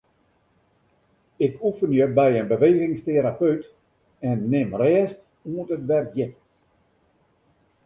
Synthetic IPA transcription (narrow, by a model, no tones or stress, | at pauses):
ɪkʰufənjəbɛjənbəʋeːɣɪŋsteɾapøɥt | ɛnːɪmrɛːst | uəntətʋɛrkjɪt̚